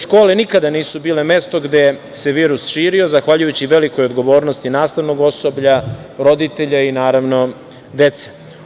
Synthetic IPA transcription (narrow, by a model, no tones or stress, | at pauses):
ʃko̞ːlenikad̪aniːsubiːle̞me̞st̪o̞ɡd̪e̞se̞ʋiːɾusʃiːɾiozaxʋaʎujut͡ɕiʋe̞liko̞jod̪ɡo̞ʋo̞ːɾno̞st̪inaːst̪aʋno̞ɡo̞so̞bʎa | ɾo̞d̪it̪eʎainaːɾaʋno̞ | d̪e̞t̪se̥